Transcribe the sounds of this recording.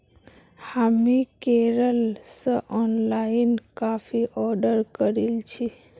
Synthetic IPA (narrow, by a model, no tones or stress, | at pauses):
hamikeɾəlsəʔɔnlaɪinkafʰiʔɔɖəɾkəɾilt͡ʃʰi